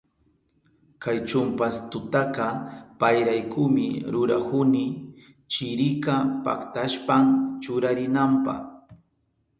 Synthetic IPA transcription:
kajt͡ʃʊmpast̪ʊt̪aqɑpajɾajkʊmɪ̰ɾʊɾakʊnɪ | t͡ʃɪɾɪkapa̰kt̪aʃpamt͡ʃʊɾaɾɪnampɑ̰χ

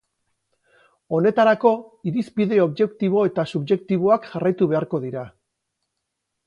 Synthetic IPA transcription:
o̞ne̞t̪aɾako̞iɾispiðe̞o̞βʝe̞kt̪iβ̞o̞e̞t̪asuβʝe̞kt̪iβ̞o̞akʝarajt̪uβe̞aɾko̞ðiɾa

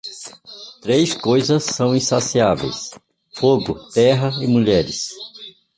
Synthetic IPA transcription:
t̪ɾejskojzɐsːɐ̃w̃ĩsasiavḛjs | foɡʊt̪ɛɦɐɪmuʎɛɾɪs

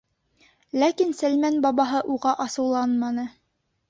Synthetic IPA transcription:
lækinsælmænbɑβɑɦɤʔuʁɑʔɑsɤ̆wlˠɑnmɑnɤ

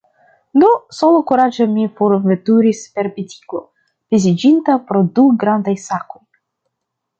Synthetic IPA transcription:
dosolokuɾad͡ʒemifoɾvet̪uɾispe̞ɾbitʲi̥klo̞̰ | v̥izid͡ʒint̪apɾo̞duɡɾand̪ajsako̞j

